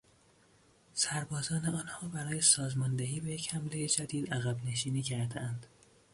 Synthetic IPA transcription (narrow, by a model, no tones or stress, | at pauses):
sæɾbɒːzɒːne̞ɒːnhɒːbæɾɒːje̞sɒːzmɒːnd̪eɦiːbejechæmle̞jed͡ʒæd̪iːd̪æɣæbne̞ʃiːniːcʰæɾd̪eʔænd̪̥